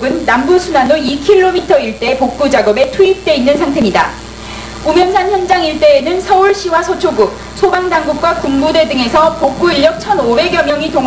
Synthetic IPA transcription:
ɡɯnːambusʰunanoikʰiɭːomitʰʌiɭt͈e̞pok̚k͈ud͡ʑaɡʌbe̞tʰuip̚t͈e̞inːɯnsʰaŋtʰe̞mɲida | kumjʌnsʰançjʌnd͡ʑaŋiɭt͈e̞ːnɯnsʰʌuɭɕ͈iwasʰʌt͡ɕʰoɡuk̚ | sʰobaŋdaŋɡuk̚k͈wakuŋmude̞dɯŋe̞sʰʌpok̚k͈uiʎːjʌk̚t͡ɕʰʌnobe̞ɡjʌmjʌŋitoŋ

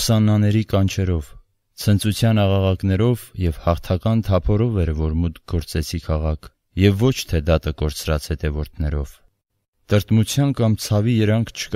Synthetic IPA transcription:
sɑnːɑnɛɾikɑnt͡ʃʰɛɾɔv | t͡sʰənt͡sut͡sʰjɑnɑʁɑʁɑknɛɾɔvjɛvhɑχt̪ʰɑkɑnt̪ʰɑpʰɔɾɔvɛɾvɔɾmut̪k̚ʰɡɔɾt͡sɛt͡sʰikʰɑʁɑkʰ | jɛvːɔt͡ʃʰt̪ʰɛd̪ɑt̪əkɔɾt͡sɾɑt͡shɛt̪ɛvɔɾt̪ʰnɛɾɔv̥ | t̪əɾt̪mut͡sʰjɑnkɑmt͡sʰɑvijəɾɑŋkʰt͡ʃʰə̥k

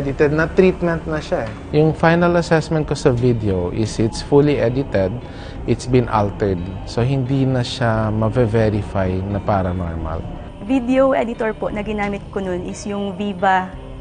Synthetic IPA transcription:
d̪ɪt̪ɛd̪nɐt̪ɾiːt̪mɛ̃nt̪̚nɐʃaɛ | jʊŋfajnɐlɐsɛsmɛnt̪̚kosɐvid̪ɛoʔɪsɪt̪sfuliʔɛd̪ɪt̪ɛd̪̚ | ʔɪt̪sbɪ̃nʔa̰lt̪ɛɹd̪̚soɦɪnd̪inɐʃamɐvɛvɛɾɪfajnɐpaːɾɐno̰ɹma̰l | vid̪ɛoʔɛd̪ɪt̪oɹpoʔnɐɡɪnaːmɪt̪̚kononʔɪsjʊŋviːbɐ

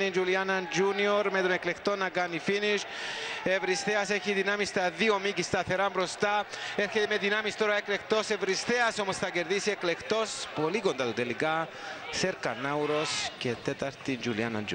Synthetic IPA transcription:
nind͡ʒulianand͡ʒunioɾmet̪oneklekt̪onaɡanifiniʃ | evɾist̪easeçiðinamist̪aðiomicist̪ɐθe̞ɾambɾo̞st̪aeɾçet̪imeðinamist̪oɾaekle̞kt̪o̞sevɾist̪easo̞mosθɐceɾðisieklekt̪o̞spoliko̞nd̪at̪ut̪elika | seɾkanawɾo̞scet̪et̪aɾt̪ind͡ʒuliana̰nd͡ʒu

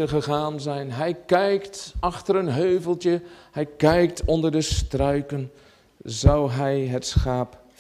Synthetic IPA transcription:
əχəχaːnzɛjnɦɛjkɛjktɑχtəɾənɦøɥvəlˠtjəhɛjkɛjk̚tʰɔndəɹdəstrœɥkən | zɑwɦɛjɦətsχaːp

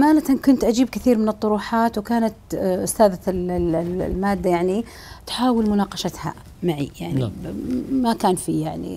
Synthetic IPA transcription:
ʔamaːnat̪ankʊnt̪ʔad͡ʒiːb̚kɪθiːɾmɪnɨt̪ˤːʊɾuːħaːt̪wkaːnat̪ʔʊst̪aːðallmaːd̪ːajaʕni | t̪ħaːwɪlmʊnɑːqɑʃat̪ha̰ | maʕḭjaʕni | makaːnfijaʕnḭ

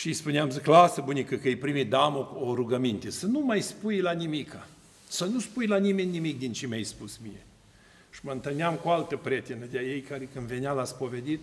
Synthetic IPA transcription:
ʃijspuneamzklasəbunʲikəkəejpɾimit̪̚d̪aamooɾuɡəmint̪esənumajspujlanimikʰa | sənuspujlanime̞nʲːimik̚d̪int͡ʃemʲajspusmijḛ | ʃiməɨnt̪ɨlneamkualt̪əpɾʲet̪enəd̪eaje̞jkaɾekɨnd̪ve̞nealaspo̞ve̞d̪it̪

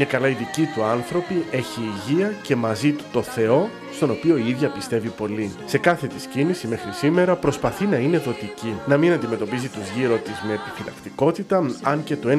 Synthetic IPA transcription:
mɲɐkɐlɐiðicit̪uɐnθɾo̞pie̞çiːʝiɐce̞mɐzit̪u̥t̪o̞θe̞o̞ | st̪o̞no̞pio̞iiðʝɐpist̪e̞vipo̞lise̞kɐθe̞t̪iscinisime̞xɾisime̞ɾɐpɾo̞spɐθinɐine̞ðo̞t̪icinɐminɐnd̪ime̞t̪o̞pizit̪uzʝiɾo̞t̪izme̞ːpifilɐ̰kt̪iko̞t̪it̪ɐɐŋce̞t̪oe

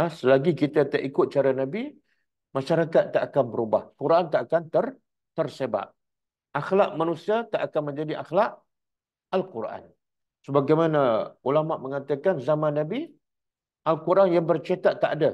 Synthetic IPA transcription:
asəlaɡikit̪at̪əʔikʊt̪̚t͡ʃaɾanabi | maʃaɾakat̪̚ːaʔakanbəɾubahkuɾʔant̪aʔakant̪ər | t̪ərseba̰ʔ | axlaʔmanũsiat̪aʔakanmə̃ɲd͡ʒadiʔaxlaʔ | alkuɾʔa̰n | səbaɡajmanaulamaʔmə̃ŋat̪akanzamãnːãbi | ʔalkuɾʔanjaŋbərt͡ʃat̪aʔ̚t̪ːaʔada

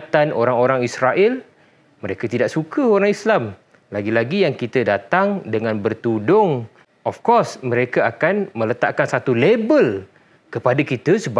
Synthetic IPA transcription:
t̪anʔo̰ɾaŋoɾaŋisɾaʔɪl | mə̃ɾekat̪idaʔsukəoɾaŋislam | laɡilaɡijaŋkit̪ədat̪aŋdəŋãnbərt̪udʊŋ | ɔfkɔsmə̃ɾekaakanmə̃lət̪a̰ʔkansat̪ulebəl | kəpadakit̪əsəb

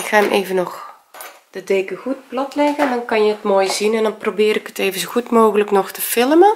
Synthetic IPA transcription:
ɪkxaːmʔeːvənɔx | d̥ədeːkəɣut̚plɔtlɛɣədɔnkɑnjəətmoːjzinɛndɔnprobɪːɾɪkəteːvənzoxutmoːɣələknɔxtəfɪlmə

